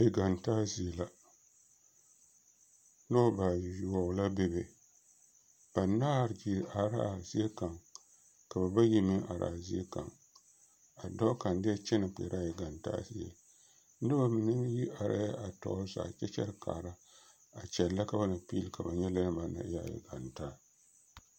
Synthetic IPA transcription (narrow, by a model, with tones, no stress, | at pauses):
e˨ɡa˨ntaː˦zi˨e˨la˦ | no˦ba˨ja˨la˦bɛ˦be˨ | b̥a˨na˦˨ɾd͡ʒi˨ʔa˨ɾa̰ː˦˨zi˦e˦ka˨ŋ | ka˨ba˨ba˦ji˦mɨ˦ʔa̰˨ɾa̰ː˨zi˦e˦ka̰˨ŋ | a˨dɔ˦ka˨ndɪ˦ɛ˦t͡ʃɛ˦nɨ˨k͡pḛ˨ɾʔa˦˨ji˨ɡa˨nta̰ː˦si˦ɛ̰˨ | nɨ˦ba˨mɨ˨nɨ˦ji˦ʔa˨ɾʔa̰˦ja˦ʔa˨tɔ̰˨˦za̰ː˨t͡ʃɛ˦t͡ʃɛ̰˦ɾka̰ː˨ɾa˦ | a˨t͡ʃɛ˨lːa˦ka˨ba˦nɨ˨pi˦lɨ˦ka˨ba˨ɲɛ˦la˦lɨ˦ba˨na̰˨˦ja̰˦˨jḭ˨ɡa˨ntaː˦